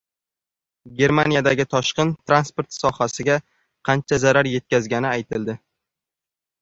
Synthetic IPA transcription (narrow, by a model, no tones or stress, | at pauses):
ɡʲe̞ɾmanjad̪aɡʲɪt̪ʰɒʃqɨnt̪ʰɾanspo̞ɾt̪sɒhasɪɡʲa | qʰɑnt͡ʃʰazaɾaɾje̞t̪̚kʲazɡʲanɪajt̪ʰɪld̪ɪ